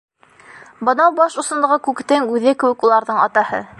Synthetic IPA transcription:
bɤ̆nɑwbɑʃŏsɤ̆nd̪ɤ̆ʁɤkʉkt̪ɘŋʉðɘkɘ̆wɘ̆kulˠɑɾðɤɴɑt̪ɑhɤ̰

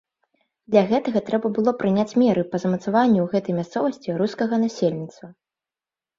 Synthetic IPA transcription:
d̪lʲɐɣɛt̪ɐɣɐt̪ɾɛbɐbɨlˠɔpɾɨnʲat͡sʲmʲɛɾɨpɐzɐmɐt̪savanʲːuɣɛt̪ɐjmʲast̪sɔvɐsʲt͡sʲiɾuskɐɣɐnasʲelʲnʲit̪st̪vɐ

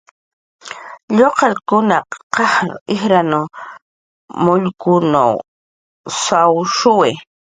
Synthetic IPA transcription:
ʎoqɑlkʊnaqɑhɾ̰ɪxɾanʊ | mʊʎkʊna̰w | sawʃʊwe

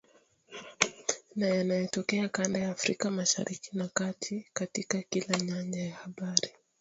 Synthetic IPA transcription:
najanajɛtɔkɛakandajaːfɾikamaʃa̰ɾikinakatʰikatikakilaɲaɲd͡ʒajahaɓaɾi

